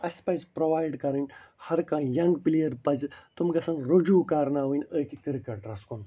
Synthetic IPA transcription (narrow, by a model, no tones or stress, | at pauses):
ɐsʲpɐzpɾoʋaːjɖkɐɾinʲhɐɾkãːjɐŋɡpilijɐɾpɐzt̪umɡɐsɐnɾud͡ʒuːkaːɾnaːʋənʲəːkikiɾikɐʈɾɐskun